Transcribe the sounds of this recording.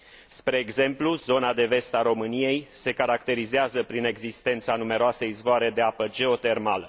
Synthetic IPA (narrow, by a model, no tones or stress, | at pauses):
spɾe̞ːɡze̞mpluzo̞nad̪e̞ve̞st̪aɾo̞mɨnije̞jse̞kaɾakt̪e̞ɾizeazəpɾine̞ɡzist̪e̞nt̪sanume̞ɾoaseizvoaɾe̞d̪e̞apəd͡ʒe̞o̞t̪e̞rmalə